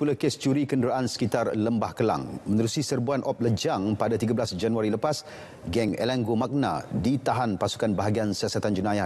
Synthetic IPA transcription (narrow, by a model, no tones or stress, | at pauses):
pulakest͡ʃuɾikəndəɾaʔansə̥kit̪arləmbahkəla̰ŋmə̃nəɾusisərbuanʔɔp̚ləd͡ʒaŋpadat̪iɡablasd͡ʒanuaɾiləpas | ɡɛŋḛlaŋɡomak̚na̰dit̪aɦanpasu̥kanbaɦaɡiansiasat̪and͡ʒunaja